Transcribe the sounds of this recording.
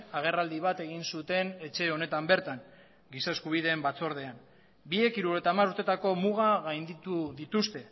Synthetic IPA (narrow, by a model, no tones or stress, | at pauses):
aɣ̞e̞rald̪iβ̞at̪e̞ɣinsut̪e̞ne̞t͡ʃe̞o̞ne̞t̪ambe̞ɾt̪aŋ | ɡisaeskuβ̞iðe̞ːmbat͡so̞ɾð̞e̞am | bie̞kiɾuɾejt̪amaɾuɾt̪e̞t̪ako̞muɣ̞aɣajnd̪it̪uðit̪ust̪e̞